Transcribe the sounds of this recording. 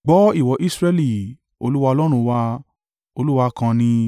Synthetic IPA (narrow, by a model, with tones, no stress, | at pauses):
ɡ͡bɔ˨˦i˦˨wɔ˨ʔi˦sɾɛ˦li˨ | o̰˧lu˦wa˧ɔ˧lɔ˦ɾ̃ũ˧wa˧ | o˧lu˦wa˧kã˧nĩ˧